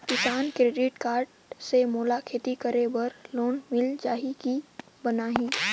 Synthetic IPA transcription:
kɪsaːnkɾeːɖɪʈkaːɾɖ | semoːlakʰeːt̪ikəɾebɐɾloːnmɪld͡ʒaːɦiki | bənaːɦĩː

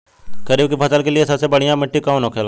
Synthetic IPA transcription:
kəɾiːbkipʰəsəlkelɪesəbsebəɽ̤ijãmɪʈːikaːnoːkʰel

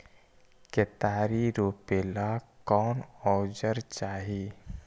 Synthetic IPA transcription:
ket̪aːɾiɾoːpeːlakɔːnɔːd͡ʒəɾt͡ʃaːɦiː

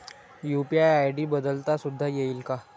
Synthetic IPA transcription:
jupiajajɖiːbəd̪əlt̪asud̪ʱːajeiːlka

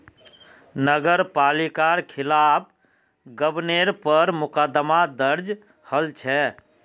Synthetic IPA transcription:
nəɡəɾpalikaɾkʰilap̚ʰ | ɡəbneɾpəɾmʊkəd̪mad̪əɾd͡ʒ | həlt͡ʃʰɛ

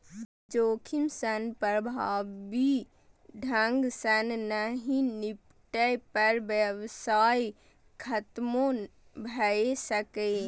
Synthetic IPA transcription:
d͡ʒoːkʰimsənpɾəbʱaːʋbi | ɖʱəŋɡsənnəɦĩnip | ʈəpəɾʋjəʋsaːi | kʰət̪mo | bʱəesəke

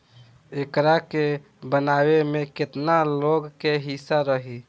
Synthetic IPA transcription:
ekɾake | bənawemeket̪naloɡkeɦisaɾəɦi

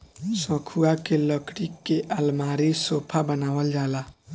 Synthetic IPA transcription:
sə̃kʰuakeləkɽikːeʔəlmaɾisopʰabənabəld͡ʒala

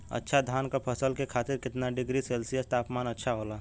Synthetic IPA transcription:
ə̰tːʃʰad̪ʱaːnkapʰəsəlkekʰaːt̪ɪɾkɪt̪naɖɪɡɾiseːlsijəst̪aːpmaːnətːʃʰaɦoːlaː

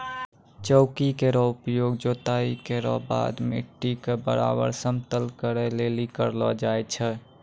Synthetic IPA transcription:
t͡ʃəʊkikeɾɔupjoɡd͡ʒot̪aikeɾɔ̰ba̰d̪mḛʈːikebə̰ɾa̰bə̰ɾsəmt̪əlkəɾɛlelikəɾlɔd͡ʒajt͡ʃʰɛ

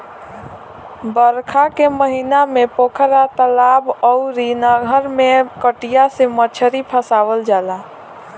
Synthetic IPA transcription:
bəɾkʰakeməɦinamepokʰəɾat̪əlabɔuɾinaɡʱəɾmekəʈijasemət͡ʃʰəɾipʰəsaʋəld͡ʒala

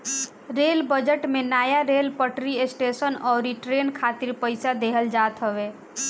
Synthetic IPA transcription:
ɾeːlbəd͡ʒəʈmẽnaːjaɾeːlpəʈɾiesʈeːsənɔːɾiʈɾeːnkʰaːt̪ɪɾpəɪsad̪eɦəld͡ʒaːt̪ɦəʋe

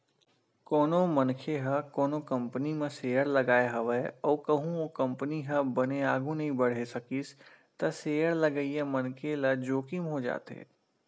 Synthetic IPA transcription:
kɔːnomɐnkʰeɦɐkɔːnokɐ̃mpənimẽseːjəɾlɐɡaːeɦɐʋəɔːkɐɦũokɐ̃mpəniɦɐ̃bɐneaːɡũnɐɦĩbɐɽ̤esɐkis | t̪ɐseːəɾlɐɡəiẽmɐnkʰelɐd͡ʒoːkɪmɦod͡ʒa̰ːt̪ḛː

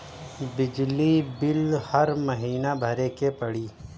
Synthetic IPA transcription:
bɪd͡ʒlibɪlhɐɾmɐɦiːnabʱɐɾekepɐɽiː

